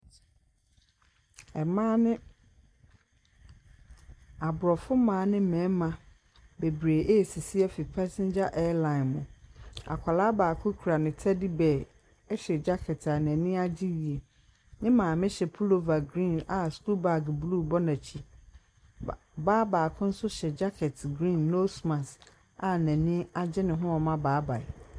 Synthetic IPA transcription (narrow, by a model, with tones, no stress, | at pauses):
ɛ˨mãː˦nɪ̃˦ | a˨bʊ˨ɾɔ˨fʊ˦mãː˨˦nɪ̃˦mɛ̃˨˦mã˨ | be˨bɾe˨ʔe˦˨si˨si˦ɛ˦fi˨pʰæ˦sɪ̃˦nd͡ʑa˦ʔɛ˦lã˨nmʊ̃˨a̰˨kʷʰa˨laː˦baː˨kʰʊ˦kʰu˨ɾa˨nɪ̃˨tʰæ˦di˦bɛ˨ | ɛ˦ɕɛ˨d͡ʑa˦kʰɛ˨tʰa˨nɛ̃˨nĩ˦a˦d͡ʑi˦ɾi˨e˨ | nɪ̃˦mãː˨mɪ̃˦ɕɛ˨pʰu˦lo˨va˨ɡɾĩ˦˨na˨sku˦ba˨ɡblu˦˨bɔ˦nã˨t͡ɕʰi˨ | baː˦ba˨kʰʊ̃˦n̩˦sʊ˦ɕɛ˨d͡ʑa˦kʰɛ˨tɡɾĩ˦˨nːo˦smã˨s | a˨næ̃˨nĩ˦a˨d͡ʑɪ˦nɪ̃˨ɦʊ̃˦ɔ˨mã˦baː˨˦ba˨ɛ˨